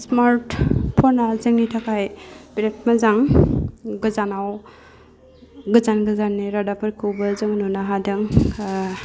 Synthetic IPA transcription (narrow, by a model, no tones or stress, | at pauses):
smaɾtpʰɔnazɯŋnitʰakʰajbiɾet̚mazaŋ | ɡɯzanaw | ɡɯzanɡɯzanːiɾadapʰɯɾkʰɯwbɯzɯŋnunaɦadɯŋ